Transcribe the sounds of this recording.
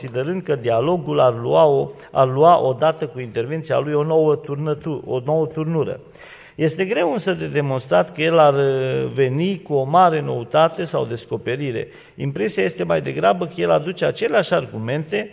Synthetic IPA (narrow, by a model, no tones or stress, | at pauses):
sid̪e̞ɾɨnd̪̚kəd̪ialo̞ɡularluao | a̰rluaʔo̞d̪at̪əkuint̪e̞rvent̪sia̰lujo̞nowəəuono̞wət̪urnuɾə̰ | je̞st̪e̞ɡɾe̞wɨnsəd̪ed̪e̞mo̞nst̪ɾat̪kəje̞larve̞nikuo̞maɾe̞no̞̰ut̪at̪e̞sawd̪e̞sko̞pe̞ɾiɾe̞̰ | impɾe̞siaje̞st̪e̞majd̪e̞ɡɾabəkəje̞lad̪ut͡ʃe̞at͡ʃe̞leaʃʲarɡume̞nt̪e̞